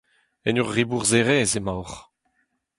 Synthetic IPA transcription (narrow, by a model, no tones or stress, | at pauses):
ɛnyʁːibuʁzeʁezemawʁ